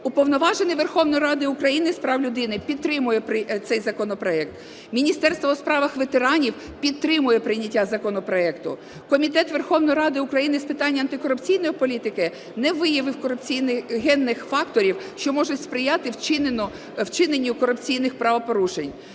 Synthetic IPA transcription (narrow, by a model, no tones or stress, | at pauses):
ʊpɔʋnɔʋɑʒenɪʋerxɔwnɔjɾɑd̪ɪʊkɾɐjinɪspɾɑwlʲʊd̪ɪnɪpʲid̪̚t̪ːɾɪmʊjɛpɾɪt̪sɛjzɐkɔnɔpɾɔɛk̚t̪ | mʲinʲist̪ɛrst̪ʋɔːspɾɑʋɐxʋet̪eɾɑnʲiw | pʲid̪̚t̪ɾɪmʊjɛpɾɪjnʲːɐtʲːazɐkɔnɔpɾɔɛkt̪ʊ | kɔmʲit̪ɛt̪ʋerxɔwnɔjɾɑd̪ɪʊkɾɐjinɪspɪt̪ɑnʲːɐnt̪ɪkɔɾʊpt͡sʲijnɔjipɔlʲit̪ɪkɪ | nɛʋɪjɐʋɪwkɔɾʊpt͡sʲijnɪɦɛnːɪxfɑkt̪ɔɾʲiwʃt͡ʃɔmɔʒʊtʲspɾɪjat̪ɪwt͡ʃɪnnɔ | wt͡ʃɪnenʲːikɔɾʊpt͡sʲijnɪxpɾɐʋɐpɔɾuʃenʲ